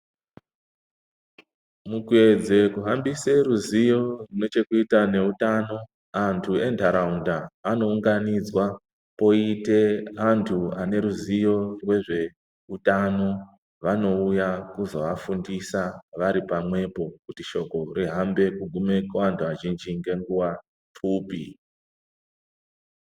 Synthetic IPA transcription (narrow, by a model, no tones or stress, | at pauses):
mukwe̞d͡ze̞kuɦambiseruzijo̞rino̞t͡ʃe̞kuitane̞utano̞ | antʰue̞ntʰaɾaundaːno̞uŋɡanid͡zwa | po̞ite̞ɦantʰuane̞ɾuzijo̞rwe̞ʐe̞ | utano̞ | ʋano̞ujakuzoʋafundisaʋaɾipamwe̞po̞kutiʃo̞ko̞riɦambe̞kuɡʱume̞koantʰuaʒind͡ʒiŋɡe̞ŋɡuwa | fuːpi